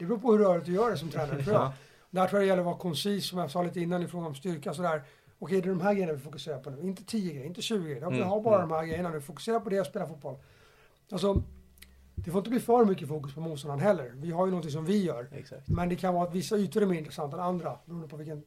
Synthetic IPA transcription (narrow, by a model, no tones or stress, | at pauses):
d̪ɛbɾuːpʰɔhɵɾːœːɭɪt̪̚d̪jœːɖɛsɔmt̪ʰɾɛːnaɾət̪ʰɾuːja | d̪ɛhæʈʰɾuːjad̪ɛjɛləɾɔvɑɾkʰɔnsiːsːɔmjasɑːliːt̪əɪnːanɪfɾoːɡaɔmst̪ʏɾkasɔd̪æːɾ | ɔkʰɛjd̪ɛd̪ɔmɦæɾɡɛjənavɪfʊkɵseːɾaɾpʰɔd̪ɛɪnt̪ːə̥t̪ʰiːjəɡɾɛjəɪnt̪̬ːəɕʉ̟ːɡɪɡɛjːəɪɦabɑːɾad̪ɔmhæːɡɾɛjːənad̪ɛvɪfʊkɵ̥seːɾapɔd̪ɛɔspeːlafuːt̪bɔl | als̬ɔ | d̪ɛfoɾɪt̪əbliːfœɾmʏkːəfuːkɵspʰɔmuːt̪st̪ɔnanɦɛlːəɾvɪɦaɾjnɔnt̪ɪŋs̬ɔmvɪjœːɾɛsat̪mɛnd̪ɛkʰanvɑːɾat̪vɪsːaʉ̟ːt̪əɾɛɾmeːɾɪnt̪ɾɛsant̪ːaɛnand̪ɾabɛɾuːəd̪əpʰɔvɪlkən